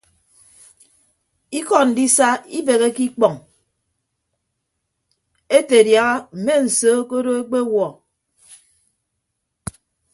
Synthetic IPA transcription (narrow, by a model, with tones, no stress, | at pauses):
i˦kɔ˦n̩˨di˦sa˦i˦be˨ɣe˦ki˦k͡pɔ˨ŋ | e˦te˨dja˨ɣa˦m̩˨me˦n̩˨soː˦ko˦ɾo˦e˦k͡pe˦wɔ˨